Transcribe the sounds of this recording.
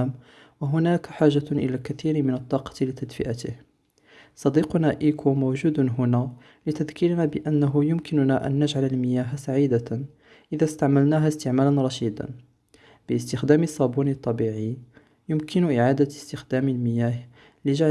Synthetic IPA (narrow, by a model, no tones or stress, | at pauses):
m | waɦʊnæːkħaːʒaʔɪ̰lækæθiːɾmɪnət̪ˤːɑːqɑ̥t̪lɪt̪æd̪fɪ̰ʔat̪ɪ̰h | sˤɑd̪iːqʊnaʔiːkʰumowʒuːd̪ɦʊnæ | lɪt̪æðkɪɾnabəʔænːaɦʊjʊmkɪnʊnaʔæ̰nːaʒʕaləlmɪjæːɦsaʕiːd̪a | ʔɪðæst̪aʕmælnæːɦæst̪əʕmælanɾˤɑʃiːd̪a̰n | b̥əst̪ɪxd̪æːmɪsˤːɑbunit̪ˤːɑbiːʕi | jʊmkʰɪnʊʔɪʕaːd̪ast̪ɪxd̪æːmɪlmɪjæːɦ | lɪʒaʕ